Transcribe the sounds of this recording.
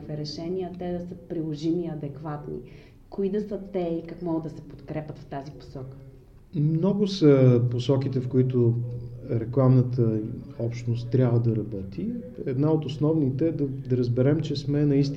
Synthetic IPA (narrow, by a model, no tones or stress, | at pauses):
vɛɾɛʃɛniət̪ɛd̪ɐsəpɾilˠoʒimiɐd̪ɛkvat̪nḭ | koid̪ɐsət̪ɛikakmɔɡəd̪ɐsɛpo̥t̪kɾɛpʲət̪ft̪azipo̥sɔkə̥ | mnɔɡʊsəposɔk̟it̪ɛfkoit̪o | ɾɛklˠamnət̪ʰəɔpʃt̪nost̪ːɾʲjabvəd̪ɐɾɐbɔt̪ʰi | ɛd̪naot̪osnɔvnit̪ɛːd̪ɐd̪ɐɾəzbɛɾɛmt͡ʃɛsmɛnɐist̪